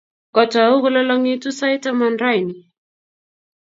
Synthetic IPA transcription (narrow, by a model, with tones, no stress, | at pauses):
kɔ˨tɔ˨a˨u˦ɣɔ˦lɔ˦lɔ˦ŋi˦tu˦sa˦i˦tamanɾa˦jni˨